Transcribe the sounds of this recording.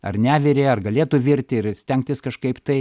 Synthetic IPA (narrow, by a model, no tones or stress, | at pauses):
ɐ̰rnʲæːʋʲɪɾʲeɐrɡɐlʲeːt̪ʊʋʲɪɾʲt̪ʲɪɪrsʲt̪ʲɛŋk̚t̪ʲɪskɐʃkɐɪpt̪ɐɪ